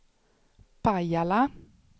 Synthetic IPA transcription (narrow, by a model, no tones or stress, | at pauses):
pajala